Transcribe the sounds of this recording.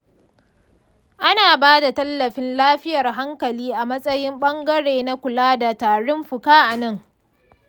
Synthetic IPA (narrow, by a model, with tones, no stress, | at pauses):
ʔa˦naː˨baː˦da˨tɐ˦lːɐ˨ɸɪ˦nlaː˦ɸɪ˦jɐ˨rɦa˦ŋkɐ˨liː˦ʔa˨mɐ˦sʼɐ˦jɪ˦mɓɐ˦ŋɡɐ˦ɽeː˨na˦kʷʊ˨laː˦da˨taː˨ɽʊ˦mɸʊ˨kaː˦ʔa˨nɐ˦ŋ